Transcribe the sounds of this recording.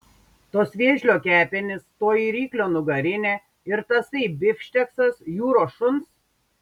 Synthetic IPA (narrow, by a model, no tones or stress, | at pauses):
t̪oːsʋʲiɛʒʲlʲoːkʲæːpʲɪnʲɪst̪oːiɾʲiːklʲoːnʊɡɐɾʲɪnʲeː | ɪɾt̪ɐsɐɪbʲɪfʲʃʲt̪ʲɛksɐsjuːɾoːʃʊns